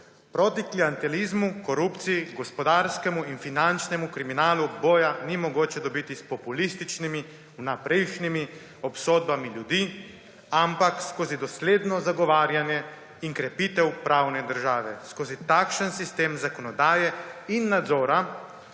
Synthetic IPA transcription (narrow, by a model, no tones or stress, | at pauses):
pɾoːt̪ikliant̪ɛlizmukɔɾupt̪sijiɡɔspɔd̪aɾskɛmuinfinant͡ʃnɛmukɾiminaːluboːjanimɔɡoːt͡ʃɛd̪ɔbit̪ispɔpulist̪it͡ʃnimi | napɾɛjʃnimi | ɔpsoːd̪̚bamiljud̪iː | ampakskoːzid̪ɔsleːd̪nɔzaɡɔʋaːɾjanjɛ | iŋkɾɛpiːt̪ɛwpɾaːwnɛd̪əɾʒaːʋɛskoːzit̪akʃənsist̪eːmzakɔnɔd̪aːjɛinːad̪zoːɾa